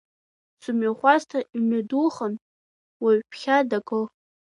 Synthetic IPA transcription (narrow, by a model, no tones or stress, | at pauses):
sumaχʷaztʰaimaduχən | waɥpʰχʲadakʼɨl